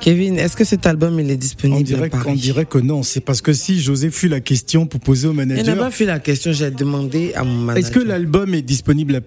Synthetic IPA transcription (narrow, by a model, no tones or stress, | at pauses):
kevinɛskəsɛt̪albɔmilɛd̪ispɔñibd̪iʁɛpaɔ̃d̪iʁɛkənɔ̃sɛpaʁsə̥kəsiʒozɛfylakʲɛst̪jɔ̃puʁpozeomananʒaɛpafylakɛst̪jɔ̃ʒəɛd̪əmɑ̃d̪ea̰mɔ̃manɛskəlalbɔmɛd̪ispɔnibla